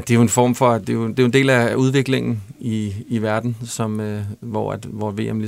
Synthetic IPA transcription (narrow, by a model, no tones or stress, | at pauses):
d̥e̝oenfɒ̰ːmfɒ̽d̥e̝od̥e̝jʊ̝nd̥e̝̰ːlæʔuð̞ˠʋe̝ɡ̥le̝ŋn̩iːʋæɐd̥n̩sɒ̽møʋɒæd̥ʋɒʋe̝̰ːemli